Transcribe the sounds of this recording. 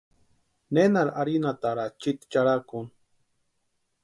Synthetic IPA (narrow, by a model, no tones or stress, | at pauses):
nenaɾaɾinat̪aɾat͡ʃit̪t͡ʃaɾakun